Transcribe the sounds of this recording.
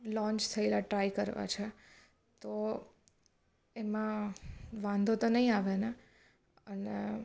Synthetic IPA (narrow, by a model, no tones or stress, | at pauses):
lɔ̃ɲt͡ʃt̪ʰəelaʈɾaikəɾʋa̰t͡ʃʰe | t̪o | emã | ʋãnd̪ʱot̪onəɦĩaʋene | ənḛ